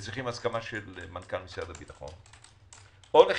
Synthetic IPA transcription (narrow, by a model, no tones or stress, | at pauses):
t͡sʁiχimaskamaʃelmankalmisjad̪abitaχo̰n | ole